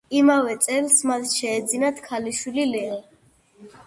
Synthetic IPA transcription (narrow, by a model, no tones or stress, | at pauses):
imavɛt̪sʼɛlsmat̪ʃɛːd̪zinat̪ʰkʰaliʃwililɛɔ